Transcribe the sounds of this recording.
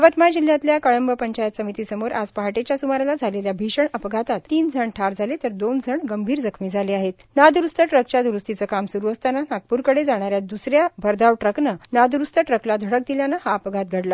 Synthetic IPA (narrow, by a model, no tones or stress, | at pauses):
əʋət̪majd͡ʑilːjãt̪ljakəɭəmbəpəɲt͡ɕajət̪səmit̪iːsəmoɾʔad͡zpəɦaʈet͡ɕjasumaɾlad͡zʱaleljabʱiɕəɳəpɡʱat̪at̪ːiːnd͡zʱəɳʈʰaɾd͡zʱalet̪əɾd̪ond͡zʱəɳɡəmbʱiːɾd͡zəkʰmiːd͡zʱaleaɦet̪̚nad̪uɾust̪əʈɾək̚t͡ɕad̪uɾust̪it͡səkamsuɾuːəst̪ananaɡ̚puɾkəɽed͡zaɽ̃aɾjad̪usɾjabʱəɾd̪aʋʈɾəknənad̪uɾust̪əʈɾəklad̪ʱəɽək̚d̪iljanaɦaəpɡʱat̪̚ɡʱəɽla